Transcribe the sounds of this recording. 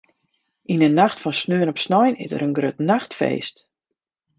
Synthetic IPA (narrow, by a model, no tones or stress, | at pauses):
ʔinənaxtfɔnsnøənɔpsnɔjnɪ̰zə̰ɾənɡrøtnaxtfḛːst